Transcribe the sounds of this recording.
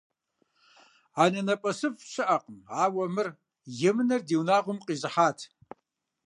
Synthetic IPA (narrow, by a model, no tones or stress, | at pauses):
anɐnɐpʼɐsɨfʃɨʔɐqʼəmaːwɐmɨr | jɪmɨnɐrdiːwnaːʁʷʊmqʼiːzɨħaːtʰ